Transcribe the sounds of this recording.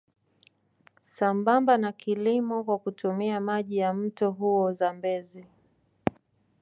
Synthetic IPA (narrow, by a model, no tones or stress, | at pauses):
sambambanakʰilimɔkwakutumiamaʄijam̩tɔɦuɔzambɛzi